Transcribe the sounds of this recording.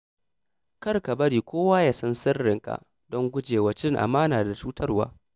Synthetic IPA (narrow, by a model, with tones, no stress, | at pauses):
kɐ˦rka˨bɐ˦ɽiː˨kʷoː˦waː˦ja˨sɐ˦nsɪ˦rːɪ˨ŋka̰˨ | dɔ˦ŋɡʷʊ˦d͡ʒeː˨wɐ˨t͡ʃɪ˦ŋʔa̰˨maː˦naː˨da˨t͡ʃuː˦tʰɐ˦rwa̰ː˦